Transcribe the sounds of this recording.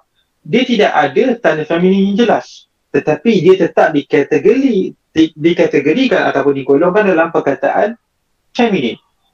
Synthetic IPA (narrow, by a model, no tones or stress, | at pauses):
diat̪idaʔadat̪anəfɛmĩniaŋd͡ʒəlas | t̪ət̪apidiət̪ət̪ap̚dikɛt̪əɡəɾi | dikat̪əɡəɾikanat̪awpʊndikolɔŋkandalampərkat̪a̰ʔan | fɛmĩnin